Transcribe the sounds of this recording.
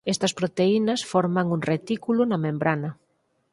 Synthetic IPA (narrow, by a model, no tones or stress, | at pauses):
est̪ɐspɾot̪einɐsfɔɾmaŋuŋret̪ikulʊnɐmẽmbɾanɐ